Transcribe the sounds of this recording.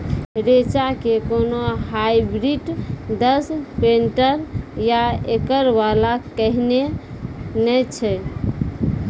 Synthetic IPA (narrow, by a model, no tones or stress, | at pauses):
ɾet͡ʃakekonoɦajbɾiɖd̪əspeɳʈəɾjaekəɾbalakəɦne | nɛt͡ʃʰɛ